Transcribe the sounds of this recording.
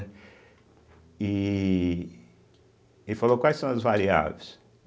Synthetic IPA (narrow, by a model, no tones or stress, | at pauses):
i | efalokwajsɐ̃w̃ɐzvaɾia̰vejs